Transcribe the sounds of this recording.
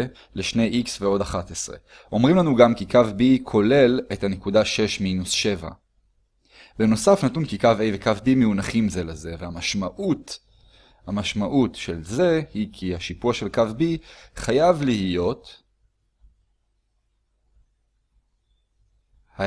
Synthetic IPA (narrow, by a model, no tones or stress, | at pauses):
leʃne̞jʔiksveo̞daχatesʁe̞̰ | ʔo̞mʁimlanuɡamkikavbikʰo̞le̞le̞thanekudaʃe̞ʃminusʃe̞va̰ | be̞no̞safnatunkikavejvekavbimeunaχimze̞leze̞vehamaʃmaʔut | hamaʃmaʔutʃe̞lze̞hikʰiaʃipuaʃe̞lkavbiχajavlihijo̞t | ha